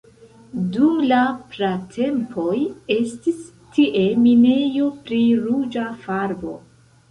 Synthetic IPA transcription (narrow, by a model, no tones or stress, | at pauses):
dumlapɾatʰe̞mpʰo̞je̞stis | tiʔe̞mine̞jo̞pɾiɾud͡ʒafaɾbo̞̰